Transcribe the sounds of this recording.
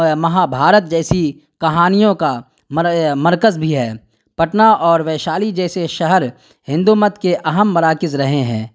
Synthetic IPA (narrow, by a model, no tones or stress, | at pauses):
mɐɦabʱaːɾət̪̚d͡ʒɛːsi | kɐɦaːnijõka | mmɐɾkəzbʱiɦɛː | pɐʈnaʔɔːɾʋɛːʃaːlid͡ʒɛːseʃɐɦəɾ | hɪ̃nd̪umət̪keʔɐɦəmːɐɾaːkɪzɾɐɦeɦɛ̃ː